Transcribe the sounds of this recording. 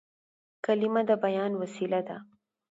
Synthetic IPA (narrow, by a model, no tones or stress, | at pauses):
kalɪmad̪əbajɑnwasilad̪a̰